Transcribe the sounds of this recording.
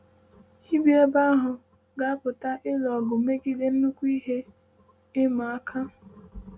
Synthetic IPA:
hi˦bi˦e˦ba˦ɦʊ˨ | ɡa˨a˦pʊ˨ta˦ʔɪ˦lɔ˨ɡʊ˨me˦ɡi˦de˦n̩˦nu˦kʷu˦i˦ɦe˦ | ɪ˦ma˨a˦kʰa˦

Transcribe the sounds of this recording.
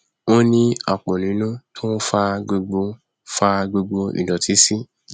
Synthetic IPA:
o˦nĩ˧a̰˨k͡pɔ̃˨nĩ˨˦nũ˦tʰo˦n̩˦fa˧ɡ͡bo˧ɡ͡bo˧˦ | fa˧ɡ͡bo˧ɡ͡bo˧ḭ˨dɔ˨ti˨˦si˦

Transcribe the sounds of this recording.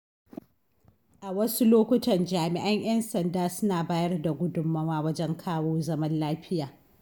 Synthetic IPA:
ʔa˨wɐ˦su˦loː˦kʷʊ˦tɐ˨nd͡ʒaː˨mɪ˨ʔɐ˦ɲj̰ɐ˦nsɐ˨ndaː˦sʊ˦naː˨baː˦jɐ˦rda˨ɡʷʊ˦dʊ˨mːɐ˦waː˦wɐ˦d͡ʒɛ˦ŋkʰaː˦woː˦zɐ˦mɐ˦nlaː˦ɸɪ˦jaː˨

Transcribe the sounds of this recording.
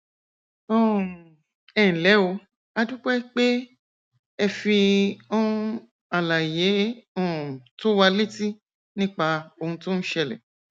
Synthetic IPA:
ɔ̃˦˨ | ɛ˦˨n̩˨lɛ˨˦o˧˦ | a˧dũ˦k͡pɛ˦k͡pe˦ | ɛ˧fi˧ɔ̃˦˧ | a˨la˨je˨˦ɔ̃˦˨to˦wa˧le˦ti˦ | nĩ˦k͡pa˧o˧hũ˧to˦ñ̩˦ʃɛ˧lɛ̰˨

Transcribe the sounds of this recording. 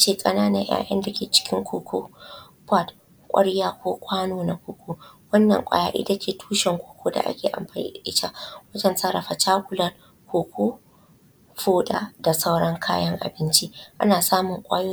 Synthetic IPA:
a˦t͡ʃeː˨kʼɐ˦naː˦nɐ˨ja̰ː˨ʔɐ̰˦nda˨kʲeː˨t͡ʃɪ̥˦kʲɪ˦ŋkʷoː˨kʷoː˦ | pɔ˦˨t | kʷʼɐ̰˦ɽjaː˦kʷoː˦kʷʼaː˦noː˨na˨kʷoː˨kʷoː˦wɐ˦nːɐ̰˨ŋkʷʼa̰ː˦ja̰ː˦ʔɪ̰˦da˦kʲʰeː˨tʰu̥ː˦ʃɛ˨ŋkʷoː˨kʰʷoː˦da̰˨ʔa̰˦kʲeː˨ʔa̰˨mɸaː˨ɲḭ˦˨ʔɪ˦ta̰˦wɐ˦d͡ʒɐ˨nsɐ˦ɾɐ˨ɸa˨t͡ʃaː˦kʷʊ˨lɐ˦r | kʷoː˨kʷʰoː˦ | ɸuː˦ɗa̰˨da˨sa˦wɽɐ˦ŋkʰaː˦jɐ˦ŋʔa̰˨bɪ˦nt͡ʃi˦ʔa̰˦naː˨saː˦mʊ˨ŋkʷʼaː˦joː˦

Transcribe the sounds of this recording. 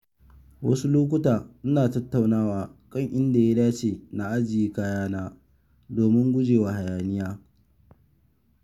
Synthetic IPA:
wɐ̰˦su˦loː˦k̬ʷʊ˦taː˨ʔʊ˦naː˨tɐ˦tːa˨wnaː˦waː˨kʼɐ˦˨ŋʔɪ˦nda˨ja˦daː˦t͡ʃeː˨na˨ʔa˦d͡ʒɪ˨jiː˦kaː˦jaː˦naː˦ | doː˨mɪ˦ŋɡʷʊ˦d͡ʒeː˨wa˨ha˨jaː˨nɪ˦jaː˦

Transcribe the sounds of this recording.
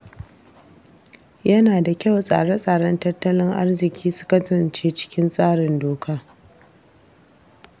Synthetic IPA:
jɐ˦naː˨da˨kʲa˦˨wsʼa̰ː˨ɽɐ˦sʼaː˨ɽɐ˦ntɐ˦tːɐ˦lɪ˦ŋʔa˦rzɪ˨kʲiː˦sʊ̥˦kɐ˦tʊ˨nt͡ʃeː˦t͡ʃɪ̥˦kʲɪ˦nsʼaː˦ɽɪ˨ndoː˨kʰaː˦

